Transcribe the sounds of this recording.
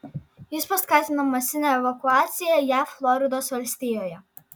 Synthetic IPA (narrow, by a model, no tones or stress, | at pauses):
jɪspɐskɑːt̪ʲɪnɐmɐsʲɪnʲɛɛʋɐkʊaːt̪sʲɪjɛjæːflˠɔɾʲɪd̪oːsʋɐlʲsʲt̪ʲɪːjoːjɛ